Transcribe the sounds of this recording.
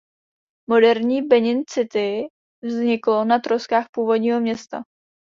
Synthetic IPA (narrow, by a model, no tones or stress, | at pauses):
mo̞dɛɾɲiːbɛɲɪnt͡sɪt̪ɪ | vzɲɪklo̞nat̪ɾoskaːxpuːvo̞dɲiːɦo̞mɲɛst̪a̰